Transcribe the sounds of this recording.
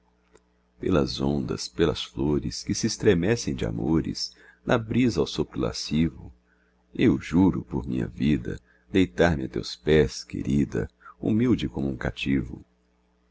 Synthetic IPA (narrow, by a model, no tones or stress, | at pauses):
pelɐzõnd̪ɐ̰spelɐsfloɾɪskɪsɪːst̪ɾemɛsẽj̃d͡ʒɪa̰moɾɪs | nʔɐbɾizɐawsopɾʊla̰sivʊ | ewʒuɾʊpoɾmĩɲɐ̰vid̪ɐ̰ | d̪ejt̪aɾmɪat̪ḛwspɛskḛɾid̪ɐ̰umiwd͡ʒɪkõmʊũkat͡ʃivʊ̰